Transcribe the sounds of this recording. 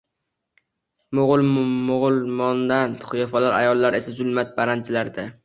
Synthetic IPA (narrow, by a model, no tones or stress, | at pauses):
mʊʁʊlˠmʊʁʊlˠmɒnd̪ant̪ʰʊ̥χʊjɒfalaɾa̰jɒlˠːaɾe̞sazʊlˠmat̪̚baɾant͡ʃʰɪlaɾd̪a